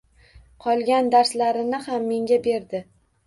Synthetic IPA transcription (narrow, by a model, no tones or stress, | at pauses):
qʰɒlˠɡʲand̪aɾslaɾɪnɪhamːe̞ŋɡʲabe̞ɾd̪ɪ